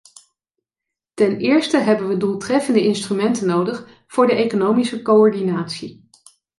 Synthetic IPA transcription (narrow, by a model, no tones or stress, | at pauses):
tɛnɪːɹstəɦɛbənʋədulˠtrɛfəndəʔɪnstrymɛntənowdəχ | v̥ʊːɹdəʔejkonowmisəkowɔɹdinaːtsi